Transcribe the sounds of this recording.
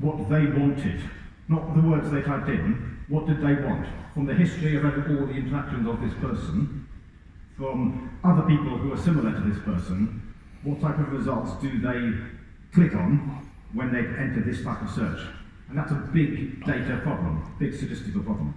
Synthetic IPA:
wʌt̪̚ðeɪwɑ̃ntʰɪd | nətðəwɜ˞dzðeɪtʰɹ̥aɪp̚tɪ̃nwʌt̚d̥ɨd̪̚ðeɪwɑ̰̃ntfɹʌ̃mðɨhɪstɹ̥iʌvə̃ɔlˠðiɪ̃ntə˞ækʃɨ̃nzəvðɪspʰɜ˞sə̃n | fɹʌ̃mʌðə˞pipl̩ˠhuə˞sɪ̃məl̩ˠə˞ɾɨðɪspʰɜ˞sɨ̃n | wʌtʰaɪpʌvɹɨzʌlˠtsd̥ɨðeɪ | kʰl̥ɪkn̩ | wɨ̃nðeɪɛ̃ntə˞d̪̚ðɪstʰaɪpʌv̥sɜ̰˞t͡ʃ | ɨ̃nðætsəbɪɡd̥eɪɾɨpʰɹ̥ɑblə̰̃mb̥ɪɡ̥sɨd͡ʒɛstɨɾl̩ˠpʰɹ̥ɑblə̃m

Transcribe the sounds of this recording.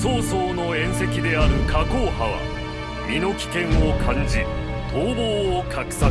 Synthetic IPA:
soːsoːno̞ẽ̞ɰ̃se̞kʲid̪e̞aɾɯ̟kʰakoːhaβa̰ | mʲino̞kʲi̥kẽ̞ɰ̃o̞kʰãɲd͡ʑi | t̪ʰoːboːokʰakɯ̟̥sa

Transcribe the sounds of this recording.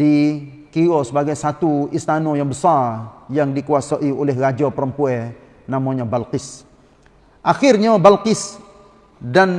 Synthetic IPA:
di | kiɾɔsəbaɡajsat̪uist̪anojaŋbəsarjaŋdikuasaʔiolɛhrad͡ʒapəɾəmpuɛ | namoɲabalqɪs | ʔaxɪrɲabalkɪs | dan

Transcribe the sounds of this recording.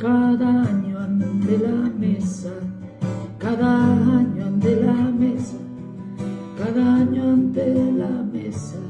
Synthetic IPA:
kaðaɲoand̪elamesa | kaðaaɲoand̪elamesa | kaðaɲoand̪elamesa

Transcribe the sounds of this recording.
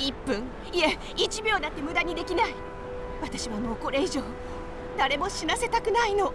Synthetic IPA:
ipːɯ̟̃ŋ | ie | it͡ɕibʲo̞ːd̪at̪ːe̞mɯ̟d̪aɲ̟id̪e̞kʲinai | βat̪aɕiβano̞ːko̞ɾe̞iʑo̞ː | d̪aɾe̞mo̞ɕinase̞t̪akɯ̟naino̞

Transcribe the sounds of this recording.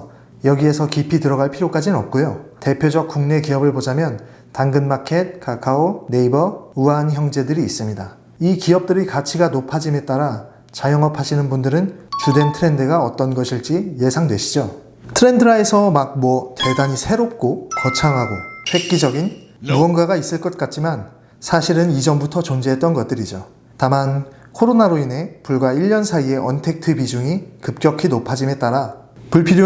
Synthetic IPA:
jʌɡie̞sʰʌkipʰitɯɾʌɣaɭpʰiɾjok͈ad͡ʑinɯnʌp̚k͈ojote̞pʰjod͡ʑʌk̚k͈uŋne̞kiʌbɯɭpod͡ʑamjʌn | taŋɡɯnmakʰe̞t̚kakʰaone̞ibʌuançjʌŋd͡ʑe̞dɯɾiːs͈ɯmɲida | ikiʌp̚t͈ɯɾikat͡ɕʰiɡanopʰad͡ʑime̞t͈̚aɾa | t͡ɕajʌŋʌpʰaɕʰinɯnbundɯɾɯnt͡ɕude̞ntʰɯɾe̞ndɯɡaʌt͈ʌnɡʌɕʰiɭt͡ɕ͈ije̞sʰaŋdwe̞ɕʰi̥d͡ʑo | tʰɯɾe̞ndɯɾae̞sʰʌmak̚mwʌte̞daɲisʰe̞ɾop̚k͈okʌt͡ɕʰaŋɦaɡoɸwe̞k̚k͈id͡ʑʌɡin | muʌnɡwaɡais͈ɯɭk͈ʌt̚k͈at͡ɕ͈iman | sʰaɕʰiɾɯnid͡ʑʌmbutʰʌt͡ɕʌnd͡ʑeɦet͈ʌnɡʌt̚t͈ɯɾid͡ʑo | taman | kʰoɾonaɾoinɦe̞puɭɡwaiʎːʌnsʰaie̞ʔʌntʰe̞k̚tʰɯbid͡ʑuŋikɯp̚k͈jʌkʰinopʰad͡ʑime̞t͈aɾa | puɭpʰiɾjo

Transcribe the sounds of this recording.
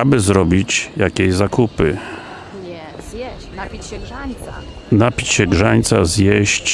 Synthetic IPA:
abɘzɾɔbʲit͡ɕjakʲeʑzakupɘ | napʲi̥t͡ɕɕɛɡʐaɲt̪sazjɛɕt͡ɕ

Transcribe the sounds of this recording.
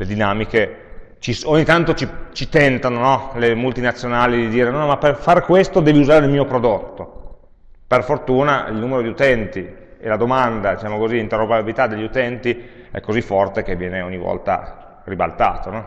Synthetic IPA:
led̪inaːmike | t͡ʃisoɲːit̪ant̪ot͡ʃit͡ʃit̪ɛnt̪anonɔlemult̪inat̪sːjonaːlid̪id̪iːɾenɔnɔmaperfaɾkwest̪od̪ɛːviuzaːɾeilmiːopɾod̪ot̪ːo | perfort̪uːnaḭlnuːmeɾod̪iut̪ɛnt̪i | elad̪omand̪ad̪it͡ʃaːmokoziint̪eropeabilit̪ad̪ːeʎːiut̪ɛnt̪iɛ̰kːozifːɔrt̪ek̟evːjɛːneoɲːivɔ̰lt̪a̰ | riba̰lt̪a̰ːt̪onɔ

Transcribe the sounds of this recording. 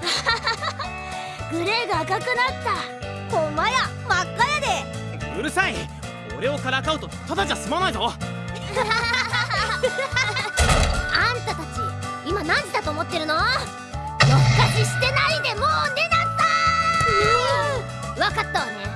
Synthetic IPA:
ɡɯ̟ɾe̞ːɡaːkakɯ̟nat̪ːa | homajamakːajad̪e̞ | ɯ̟ɾɯ̟sai | o̰ɾe̞o̞kaɾakaɯ̟t̪o̞t̪ad̪ad͡ʑasɨmanaizo | ãnt̪at̪at͡ɕi | imanãɲ̟d͡ʑid̪at̪oːmo̞t̪ːe̞ɾɯ̟no̞ | jokːaɕiɕi̥t̪e̞naid̪e̞mone̞d̪at̪ːaɯ | βakat̪ːaβane

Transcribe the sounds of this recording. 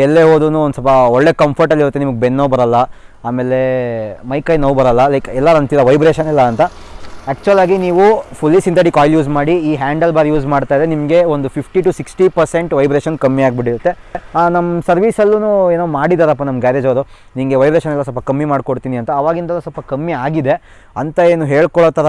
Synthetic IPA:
ɛlːeɦoːd̪ɾunuonusɐlpɐɔɭːe̞kɐmpʰɐɾʈɐlːiɾut̪ːenimɐɡebenːɐʋbɐɾɐlːɐ | aːme̞ːle̞mɐjkɐːjnɐʋubɐɾɐlːɐlɐjkɛlːɐɾɐnt̪iɾɐʋɐjbɾeːʃɐnɛlːɐːnt̪ɐ | æːk̚t͡ʃuʋɐlaːɡiniːʋupʰulːisint̪ɐɽikaːjljuːzmaːɽiiːɦaːɳɖɐlbaːɾijuːzmaːɽt̪aːjid̪ɾenimɐɡe̞ond̪upʰipʰʈiʈusiksʈipɐɾseɳʈʋɐjbɾeːʃɐnkɐmːiaːɡ̚biɽiɾɐt̪ːe̞nɐmːɐsɐɾʋisɐlːunueːnomaːɽid̪aːɾɐpːɐnɐmɡaːɾeːd͡ʒɐʋɐɾu | nimɡeʋɐjbɾeːʃɐnɛlːɐs̬ɔlpɐkɐmːimaːɖkoɽt̪iːniɐnt̪ɐːʋaːɡint̪ɐlːɐsɔlpɐkɐmːiaːɡid̪e̞ | ɐnt̪ɐeːnuɦeːɭkɔɭoːt̪ɐɾ

